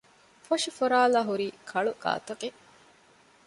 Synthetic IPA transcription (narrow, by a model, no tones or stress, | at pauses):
fɐʃifoɾaːlaːɦuɾiːkʰɐɭuɡa̰ːt̪ɐqe